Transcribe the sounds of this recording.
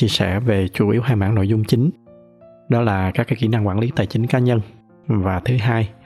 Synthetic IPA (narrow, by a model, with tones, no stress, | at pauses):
t͡ɕi˧əsɛ̰˧˩ve˨˩t͡ɕu˧˩ʔi˨˦əwɦaː˧jma̰ː˧˩ŋno̰˧˨jzʊ˧ŋ͡mt͡ɕï˨˦ŋ̟ | ɗɔ˨˦laː˨˩kaː˦˥k̚ːa˨˧˦kḭ˧˩na˧ŋkwaː˧˩nli˨˦t̪a̰ː˨˩jt͡ɕï˨˦ŋ̟kaː˨˦ɲə˧n | vaː˨˩t̪ʰɨ˨˦ɦaː˧j